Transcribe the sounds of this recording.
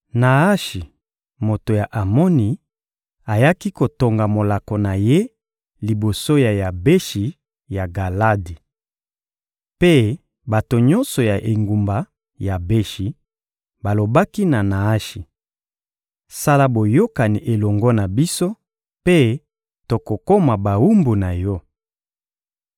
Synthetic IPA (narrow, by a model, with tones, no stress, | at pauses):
na˨a˦ʃi˨ | mo˨to˨ja˨ʔa˨mɔ˦ni˨ | a˨ja˦ki˦ko˨to˨ŋɡa˨mo˨la˨ko˨na˨je˦ | li˨bo˨so˦ja˨ja˨be˦ʃi˨ | ja˨ɡa˨la˦di˨ | pe˦ | ba˨to˨ɲɔ˦nsɔ˨ja˨ʔe˨ŋɡu˨mba˨ | ja˨be˦ʃi˨ | ba˨lo˨ba˦ki˦na˨na˨a˦ʃi˨ | sa˦la˦bo˨jo˦ka˨ni˨ʔe˨lɔ˨ŋɡɔ˦na˨bi˦so˦ | pe˦ | to˨ko˨ko˦ma˨ba˨u˦mbu˨na˨jɔ˦